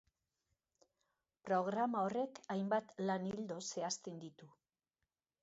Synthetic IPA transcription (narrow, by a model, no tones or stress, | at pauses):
pɾo̞ɣ̞ɾamao̞re̞kajmbat̪lanild̪o̞se̞ast̪e̞nd̪it̪u